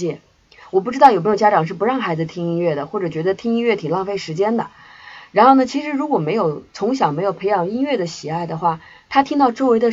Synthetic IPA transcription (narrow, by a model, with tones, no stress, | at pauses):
jɛ˥˩ | wɔ˨˩p̬u˥˩ʈ͡ʂɻ̩˥t̪jo˨˩m˧˥˨t͡ɕja˥ʈ͡ʂɑ˨˩ŋʂ̬ɻ̩˥˩p̬u˧˥ɻɑ˥˩ŋxa˧˥ɪd͡zɹ̩˧t̪ʰi˥ŋi˥nɥɛ˥˩d̪ə˩xwɔ˥˩ʈ͡ʂɤ˨˩t͡ɕɥɛ˧˥d̪ə˧t̪ʰi˥ŋi˥nɥɛ˥˩t̪ʰi˨˩ŋlɑ˥˧ŋfe˥˩ɪʂɻ̩˧˥t͡ɕjɛ˥nd̪ə˨ | ɻa˧˥nxo˥˩ʊnə˩t͡ɕʰi˧˥ʂɻ̩˧˥ɻu˧˥kwɔ˨˩me˧˥ɪjo˨˩ʊt͡sʰʊ˧˥ŋɕ̬jɑ˨˩me˧˥ɪjo˨˩ʊpʰe˧˥ɪjɑ˨˩ŋi˥nɥɛ˥˩d̪ə˩ɕi˨˩a˥˩ɪd̪ə˩xwa˥˩ | t̪ʰa˥t̪ʰi˥ŋt̪ɑ˥˧ʊʈ͡ʂo˥ʊwe˧˥ɪd̪ə˧